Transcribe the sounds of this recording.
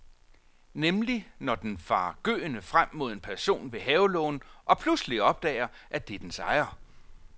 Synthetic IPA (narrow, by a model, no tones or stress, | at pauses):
nemlinɒd̥enfɑ̰̈ːɡ̥ø̰ːnəfʁam̰ːo̝ð̞̰ˠe̝npʰæɐso̝̰ːnʋe̝ɦɛːʊlɔ̰ːnʔɒ̽pʰlusliɒ̽b̥̚d̥ɛ̰ːɪɐ | ʔæd̥ed̥ensɑ̈ɪɐ